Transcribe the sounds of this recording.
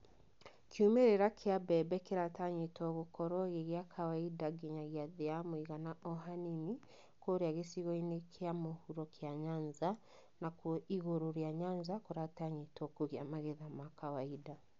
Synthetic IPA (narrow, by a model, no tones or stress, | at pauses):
kjumeɾeɾakʰeabɛbɛkeɾataɲetɔɣokɔɾɔɣeɣjakʰawaidaɡiɲaɣjaðeamoiɣanaʔɔɦanini | koɾeaɣesiɣɔinekʰeamohuɾɔkʰjaɲaɲza | nakoiɣoɾoɾeaɲaɲzakoɾataɲitɔkoɣjamaɣeðamakawaida